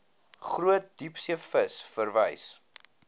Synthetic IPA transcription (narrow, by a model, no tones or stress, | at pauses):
χruət̚dipsiəfəsfərvə̰js